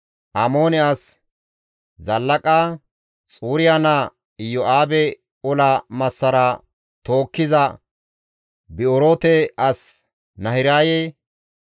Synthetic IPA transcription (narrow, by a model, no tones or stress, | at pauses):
ʔamoːnɪas | zɐlːɐkʼaː | t͡sʼuːɾɪjana | ɪjɔʔaːbɛ | ɔlɐmɐsːɐɾɐ | t̪o̞ːkːɪzɐ | bɪɔɾoːt̪ɛʔɐs | nɐhɪɾaːjɛ